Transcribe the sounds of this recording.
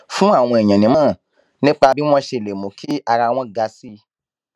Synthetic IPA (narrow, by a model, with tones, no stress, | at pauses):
fũ˦a˦˨w̃ɔ̃˧e˨j̃ã˨nĩ˨˦mãː˦˨ | nĩ˦k͡pa˧bi˦w̃ɔ̃˧ʃe˧˨le˨mõ˨kʰi˦a˧ɾa˧w̃ɔ̃˧ɡa˧si˧˦